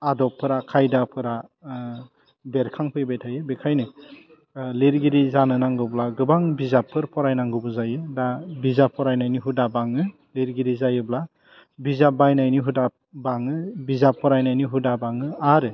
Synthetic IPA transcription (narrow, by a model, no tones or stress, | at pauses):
adɔpʰːɯɾakʰajdapʰɯɾa | beɾkʰaŋpʰɯjbetʰajɯbekʰajnɯ | leɾɡiɾizanɯnaŋɡɯblaɡɯbaŋbizapʰːɯɾpʰɔɾajnaŋɡɯbɯzajɯdabizapʰːɔɾajnajniɦudabaŋɯ | leɾɡiɾizajɯbla | bizap̚bajnajniɦuda | baŋɯbizapʰːɔɾajnajniɦudabaŋɯaɾɯ